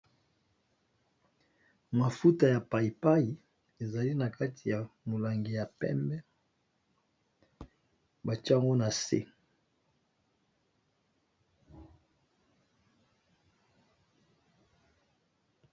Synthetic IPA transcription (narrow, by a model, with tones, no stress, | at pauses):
ma˨fu˦ta˨ja˨pa˨i˨pa˦ji˨ | e˨za˨li˦na˨ka˦ti˨ja˨mo˨la˨ŋɡi˨ja˨pɛ̰˦mbɛ˦ | ba˨t͡ʃa˦ŋɡo˦na˨sḛ˦